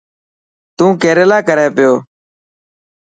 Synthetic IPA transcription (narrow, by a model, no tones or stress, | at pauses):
t̪ũːkeːɾeːlaːkəɾɛːpɪjoː